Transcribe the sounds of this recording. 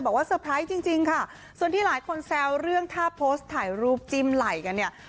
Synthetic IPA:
bɔː˨˩k̚waː˥˩səː˧pʰɾa˦˥jt͡ɕi˧ŋt͡ɕi˧ŋkʰa˥˩ | su˨˩ənt̪ʰiː˥˩laː˨˩˦jkʰo˧nsɛː˧wɾɯ˥˩əŋt̪ʰaː˥˩pʰoː˦˥st̪ʰːaː˨˩jɾuː˥˩p̚t͡ɕi˧mla˨˩jka˧nːi˥˩ɐ

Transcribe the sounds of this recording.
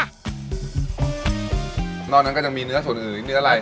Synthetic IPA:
nɔː˧˩nːa˦˥kɔ˥˩ja˧ŋmiː˧nɯ˦˥ɐsu˩˦nʔɯː˨˩nɯ˦˥ɐɾa˧

